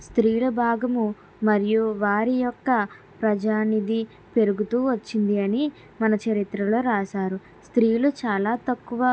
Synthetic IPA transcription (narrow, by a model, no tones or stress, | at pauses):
st̪ɾiːlɐbʱaːɡɐmu | mɐɾijuʋaːɾijɔkːɐ | pɾɐd͡ʒaːnid̪i | pe̞ɾuɡut̪uːʋɐt͡ʃːind̪iɐni | mɐnɐt͡ʃɐɾit̪ɾɐlo̞ːɾaːsaːɾu | st̪ɾiːlut͡ʃaːlaːt̪ɐkːuʋɐ